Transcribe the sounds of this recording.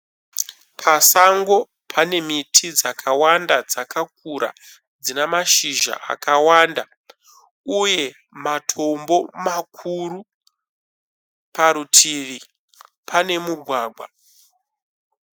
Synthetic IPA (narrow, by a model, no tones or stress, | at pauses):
pʰasaŋɡo̞ | pʰane̞mitʰid͡zakʰawandad͡zakak̚uɾa̰ | d͡zinamaʃiʒa̰ʔa̰kawanda | uje̞ | matʰo̞mbo̞makʰuɾu | paɾutʰiʋi | pʰane̞muɡʱwaːɡʱwa